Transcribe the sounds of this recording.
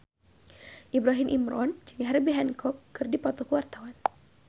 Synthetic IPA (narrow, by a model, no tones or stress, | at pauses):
ʔibɾaɦimʔimɾɔnd͡ʒɨŋɦɛrbiɦɛnkʰɔkːɨrdipɔt̪ɔkuwart̪awan